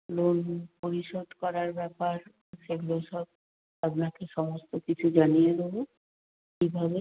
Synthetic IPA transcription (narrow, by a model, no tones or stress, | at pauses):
lonpoɾiʃod̪ʱkɔɾaɾbɛpaɾ | ʃeɡuleʃɔb̚ | apnakeʃɔmost̪okit͡ɕʰud͡ʑanijed̪ebo | kibʱabe